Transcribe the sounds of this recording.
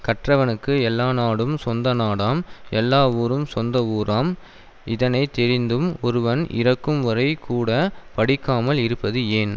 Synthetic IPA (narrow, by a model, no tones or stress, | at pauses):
kɐʈrɐʋɐnɯkːɯɛlːaːnaːɽɯmsɔnd̪ɐnaːɽaːmɛlːaːʋuːɾɯmsɔnd̪ɐʋuːɾaːm | ɪðɐnɐɪt̪ɛɾɪnd̪ɯmɔɾɯʋɐnʔɪ̰rɐkːɯmʋɐɾɐɪkʰːuːɽɐpɐɽɪkːaːmɐlɪɾɯpːɐðɯeːn